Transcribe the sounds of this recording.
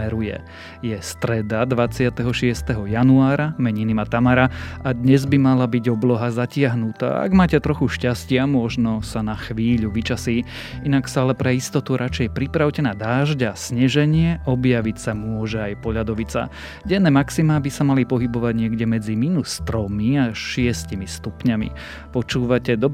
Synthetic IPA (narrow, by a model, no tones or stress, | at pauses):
ɛɾujɛ̰ | jɛst̪ɾɛd̪ad̪ʋat͡sɪat̪ɛɦɔʃɪɛst̪ɛɦɔjanuaːɾamɛɲinimat̪amaɾaad̪ɲɛzbimalabiɟɔblɔɦazacɪaɦnut̪a̰ːa̰ɡmaːcɛt̪ɾɔxuʃcascɪamʊɔʒnɔsanaxʋiːʎuʋit͡ʃasiː | inaksaalɛpɾɛist̪ɔt̪uɾʔat͡ʃɛjpɾipɾaʊwcɛnaːd̪aːʒɟaasɲɛʒɛɲɪɛʔɔbjaʋicsamʊɔʒɛajpɔʎad̪ɔʋit͡sa̰ | ɟɛnːɛːmaksimaːbisamalipɔɦibɔʋaɟɲɪɛɡɟɛmɛd͡zimiːnust̪ɾɔmiaʃɪɛscimist̪upɲamḭ | pɔt͡ʃuːʋacɛd̪ɔb